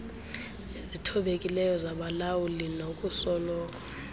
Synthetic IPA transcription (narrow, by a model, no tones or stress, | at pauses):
ezitʰɔɓekʼilɛjɔzaɓalawulinokʼusɔlɔːkʼḁ